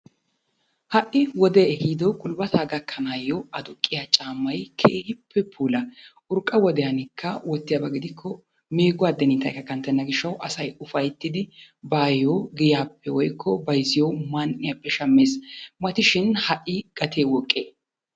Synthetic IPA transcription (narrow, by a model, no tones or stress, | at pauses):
hɐʔːɪwɔd̪eːɛhiːd̪owkʼʊlbɐt̪ʰaːɡɐkʰːɐnaːjːɔɐd̪ʊkʼːɪjat͡ʃʼaːmːɐjkʰeːhɪpʰːɛpʰuːlɐʔʊɾkʼːɐwɔd̪ɛjɐnɪkʰːɐwɔt̪ːɪjaːbɐɡɪd̪ɪkʰːɔ | me̞ːɡʊwaːd̪ɛnɪt̪ɐ̰jkːɐkːɐnt̪ɐnːɐɡɪʃːɐwʔɐsɐjʊfɐjt̪ːɪd̪ɪbaːjoːɡɪjaːpːɛwɔjkʰːɔbɐjzɪjomanʔɪjapːɛʃɐmːe̞ːsmɐt̪ɪʃɪnhɐʔːɪɡ̥ɐt̪ʰeːwɔkʼːeː